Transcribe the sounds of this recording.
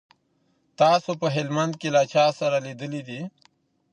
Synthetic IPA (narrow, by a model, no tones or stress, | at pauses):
t̪aːsopəɦelmɐnd̪̚kelat͡ɕʰaːsɐɾalid̪əlid̪i